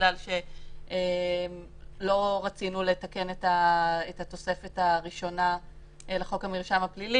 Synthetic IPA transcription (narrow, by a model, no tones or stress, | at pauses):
lalʃe̞em | lo̞ʁat͡sinule̞take̞netaetat̪o̞se̞fe̞taʁiʃo̞na | eleχo̞kamiʁʃamaplili